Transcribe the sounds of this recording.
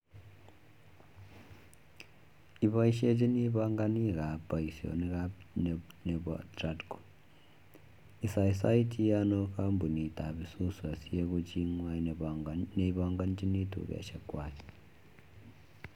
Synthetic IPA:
iβa˦i˦ʃe˦t͡ʃi˦ni˦βa˦ŋɡa˦ni˦ɣa˨pa˨isjo̰˨ni˦ɾa | ne˨βwa̰tradko̥˨ | isa˨isa˦i˦ti˦jano˦kambu˨ni˨ta˨βisu˦swa˨sie˦ku˦t͡ʃi˦ŋwa˦ | neiβaŋɡa˦nit͡ʃi˦ni˦tṵ˨βa̰˨ʃakwa˨t͡ʃe̥

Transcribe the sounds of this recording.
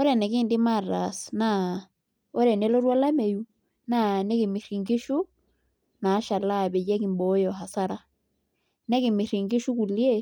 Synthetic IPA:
ɔ˦ɾɛ˨nɛ˨kɪ˦˨ndɪ˦ma˦˨ra̰˨sna˦˨ | ɔ˦ɾɛ˨nɛ˨˦lɔ˦ɾwa˦la˦mɛ˨ju˦ | na˦˨nɛ˦kɪ˨mi˨ri˨ŋɡɪ˦ʃu˦ | na˨˦ʃa˨la˦˨bɛ˨jɛ˦ki˨mbɔ˨˦jɔ˨ɦa˨sa˦ɾa˦ | nɛ˦kɪ˨mɪ˨ɾi˨ŋɡɪ˦ʃu˦ku˨lje˦˨

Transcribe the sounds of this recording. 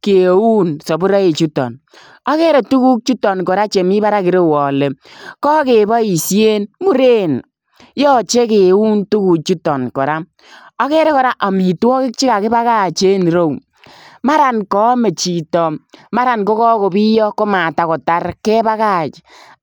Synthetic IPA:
ke˨u˦nsɔ˨bu˦ɾa˦e˨t͡ʃu˦tɔ̰˨n | ɔ˦ke˦ɾe˨tu˦ku˦k̚t͡ʃu˦tɔ˨nkɔ˨ɾa˦t͡ʃe˨mi˦ba˦ɾa˦kɪ˨ɾe˦wɔ˨le˨kɔ˦ke˨bɔ˦i˨sje˦nmu˦ɾe˦n | jɔ˦t͡ʃe˦ke˨u˦ntu˦ku˨k̚t͡ʃu˦tɔ˨nkɔ˨ɾa˦ | ɔ˦kɛ˦ɾe˦kɔ˨ɾa˦ʔa˨mi˨twɔ˦kɪ˦k̚t͡ʃi˦ka˨kɪ˦ba˦ka˦˨t͡ʃe˦n˨ɾo˦˨w | ma˦ɾa˨nkɔ˦me˨t͡ʃi˨tɔ˨ma˦ɾa˨nko˦kɔ˦ko˨bi˦jɔ˦ko˦ma˨ta˨kɔ˨ta˦ɾkɛ˦ba˦ka˦˨t͡ʃ

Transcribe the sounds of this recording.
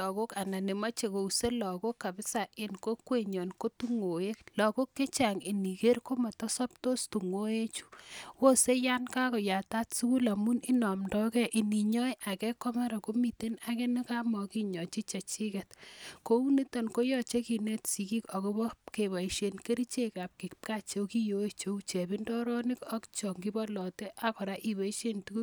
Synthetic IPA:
ɔ˨ko˦ka˨na˨ne˨ma˦t͡ʃe˨ko˨u˨se˦lɔ˨ko˦kːa˨bɪ˦sa˨ʔɪ˨nko˦kwe˦˨ɲɔ˨nko˦tu˦ŋo˨e˦klɔ˨ko˦kːe˦t͡ʃa˨ŋi˨ni˨ke˦ɾko˦ma˨tɔ˦sɔ˦p̚to˦stu˨ŋo˦e˦t͡ʃu̥˦wo˦se˦ja˦nka˦kɔ˨ja˨ta˦tsu˦ku˦la˨mu˦nɪ˦nɔ˨mdɔ˦kɛ˦ʔi˨ni˨ɲɔ˦jʔa˨kɛ˦kɔ˦ma˦ɾa˨ko˦mi˨te˦na˦kɛ˦ni˦ka˦mɔ˨ki˦ɲɔ˨t͡ʃi˦t͡ʃe˨t͡ʃi˦kɛ˨tko˦u˦ne˦to˨nko˦jɔ˦˨t͡ʃe˦ki˨ne˦tsi˨ki˦kɔ˨ko˦bɔ˦ke˨βa˨i˨ʃe˨nke˦ɾi˦t͡ʃe˦ka˨p̚ki˨kpka˦t͡ʃo˦ki˦jo˦e˨t͡ʃo˦u˦t͡ʃe˨bi˦ndɔ˦ɾɔ˦nɪ˦kɔ˦kt͡ʃɔ˨ŋɡi˦bɔ˦lɔ˨te˦ʔa˦kɔ˨ɾa˦ʔi˨ba˨i˦ʃe˦ntu˦ku˦

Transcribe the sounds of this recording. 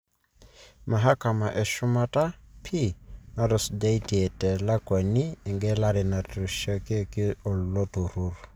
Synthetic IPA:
ma˨ɦa˦ka˨ma˨ʔɛ˨ʃʊ˦ma˦ta˦pʰi˦na˦dɔ˨sda˦i˦ti˨e˨tɛ˨la˦kwa˨ni˦ɛ˨ŋɡɛ˦la˦ɾɪ˨na˨tɾo˨ʃa˦ke˦kɪ˦ɔ˨lo˦to˨ɾu˦ɾ

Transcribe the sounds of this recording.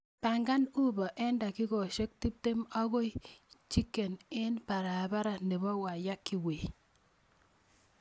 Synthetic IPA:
pa˨ŋɡa˦nu˦bɔ˨ʔɛ˦nda˨kɪ˦ɡɔ˨ʃe˦k̚ti˦p̚te˦ma˦ɣo˦jt͡ʃi˦kːe˨nɪ˦npa˨ɾaː˨ba˦ɾa˨ne˨bɔ˦wa˨ja˦kːi˨we˨

